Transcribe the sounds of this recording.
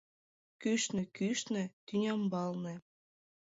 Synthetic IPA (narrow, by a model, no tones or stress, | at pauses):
kyʃnĕkyʃnĕt̪ynʲɑmbɑlnĕ